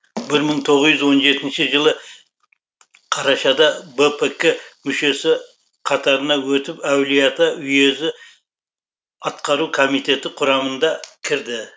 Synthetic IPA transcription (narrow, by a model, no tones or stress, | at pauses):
bɪɾməɴt̪ʰo̞ʁzʒʏzwo̞nʒe̞t̪ɪnʃɪʒəlˠə | qʰɑɾɑʃɑd̪ɑbepʰekemʏʃe̞sɪ | qʰɑt̪ɑɾənɑwɵt̪ɪpæwlijɑt̪əʏje̞zɪ | ɑt̪qɑɾukʰo̞mijt̪e̞t̪ɪqʰʊɾɑmənd̪ɑkʲʰɪɾd̪ɪ